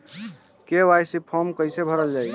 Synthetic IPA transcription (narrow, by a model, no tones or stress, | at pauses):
kewajsipʰɔmkəjsebʱəɾəld͡ʒaj